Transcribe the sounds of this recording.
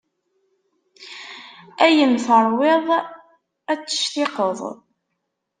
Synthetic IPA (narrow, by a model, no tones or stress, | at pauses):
æjənθəɾˤwɪðˤ | æt͡sːə̥ʃtɪqəðˤ